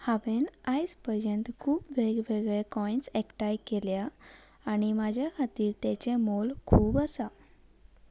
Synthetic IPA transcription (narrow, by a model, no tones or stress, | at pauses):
haʋenajspəɾjənt̪kʰuːpʋeɡʋeɡɭekɔjnsekʈajkeljaː | ɽimad͡ʑʱjakʰat̪iːɾt̪ɛt͡ɕemolkʰuːbasa